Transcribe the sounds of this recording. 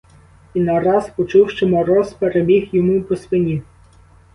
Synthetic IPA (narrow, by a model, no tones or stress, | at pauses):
inɐɾɑspɔt͡ʃuwʃt͡ʃɛmɔɾɔspeɾebʲixjɔmupɔsʋɪnʲi